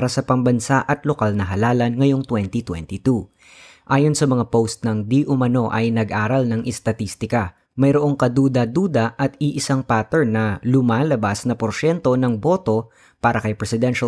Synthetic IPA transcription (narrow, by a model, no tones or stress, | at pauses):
ɾɐsɐpɐŋbɐnsaʔɐt̪lokalnɐɦɐlaːlɐnŋɐjo̞ŋt̪wɛnt̪it̪wɛ̰nt̪it̪u | ʔaːjo̞nsɐmɐŋapowst̪̚nɐŋd̪iʔʊmɐno̞ʔɐ̰jnɐɡʔaːɾɐlnɐŋʔɛst̪ɐt̪ist̪ɪkɐ | mɐjɾoʔo̞ŋkɐd̪uːd̪ɐd̪uːd̪ɐʔɐt̪ɪʔɪsaŋpaːt̪ɛɹnːɐlʊmaːlɐbasnɐpoɾʃɛnt̪o̞nɐŋbo̞t̪o̞ | paːɾɐkɐjpɾɛsɪd̪ɛnʃɐ